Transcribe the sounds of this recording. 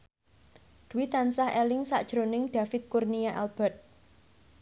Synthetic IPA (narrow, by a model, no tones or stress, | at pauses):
d̪̥uwit̪ansahɛlɪŋsa̰ʔd̥ʒ̥ɾonɪŋɖ̥ä̤fɪt̪̚kurnijaʔɛlb̥ɛ̤t̪̚